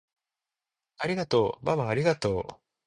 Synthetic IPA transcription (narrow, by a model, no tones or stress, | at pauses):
aɾʲiɡat̪o̞ːbaβaːɾʲiɡat̪o̞ː